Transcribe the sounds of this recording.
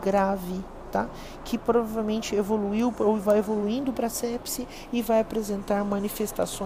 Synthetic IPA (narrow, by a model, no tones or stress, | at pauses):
ɡɾavɪ | t̪a | kʰɪpɾovavewmẽnt͡ʃɪevoluiwowvajevoluĩnd̪ʊpɾɐsɛpsɪ | ɪvajapɾezẽnt̪aɾmɐ̃nifest̪asõ